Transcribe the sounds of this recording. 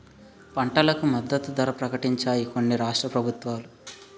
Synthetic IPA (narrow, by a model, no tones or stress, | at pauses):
pɐɳʈɐlɐkumɐd̪ːɐt̪ud̪ɐɾɐpɾɐkɐʈiɲt͡ʃaːjiko̞nːiɾaːʂʈɾɐpɾɐbʱut̪ʋaːlu